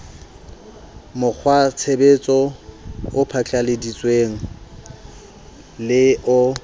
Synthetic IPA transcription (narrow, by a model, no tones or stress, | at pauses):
mʊk͡xʰwat͡sʰebet͡sʼɔ | ʊpʰat͡ɬʼalɪdit͡sʼweŋ̩ | lɪʔʊ